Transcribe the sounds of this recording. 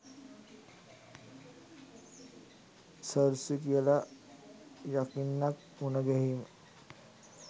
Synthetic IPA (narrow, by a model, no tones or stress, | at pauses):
səɾsikijəla | jakinːak̚ | unəɡɛɦim